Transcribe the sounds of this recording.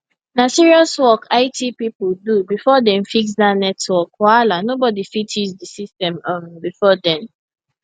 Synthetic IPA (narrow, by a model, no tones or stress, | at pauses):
nasiɹiɔswɔkʰaɪtʰipipudubifɔdɛ̃mfiksdanɛtwɔkɔalanobɔdifitisdisistɛ̃mãmbifɔdɛ̃m